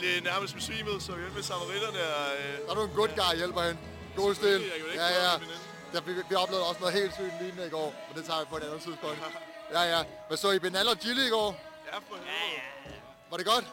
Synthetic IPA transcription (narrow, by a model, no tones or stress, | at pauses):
d̥enæɐməsd̥m̥esʋḭːməð̩ˠsɒiʋenmesʰɑmɐʁid̥ɐnə̥ɑɾonɡ̥od̥ɡ̥ɑ̈ɪjel̰b̥ɐhen | ɡ̥osd̥eljæjæ | d̥æʋiʋiɒ̽b̥le̝ʊðˠɒ̽snɔ̽ːð̩ˠhe̝̰ːld̥sʋḭːnmliːmeɐiɡ̥ɒ̰ːmend̥e̝t͡sʰɑ̰̈ːʋipʰɒ̽e̝ɾænð̩ˠt͡sʰið̰ˠspʰɔ̽ŋ̰d̥jæjæ | mensɒib̥e̝nælɒdʰiliiɡ̥ɒ̰ː | j | ʋɑ̈ɾe̝ɡ̥ɒ̽d̥